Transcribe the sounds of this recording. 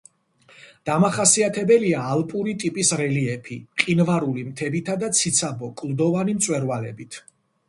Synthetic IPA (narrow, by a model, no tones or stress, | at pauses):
d̪̥amaχasiat̪ʰɛbɛliaːlˠpʼuɾit̪ʼipʼisɾɛliɛpʰiqʼinvaɾulimt̪ʰɛbit̪ʰad̪at̪sʰit̪sʰabɔkʼlˠd̪ɔvanimt̪sʼwɛɾvalɛbit̪ʰ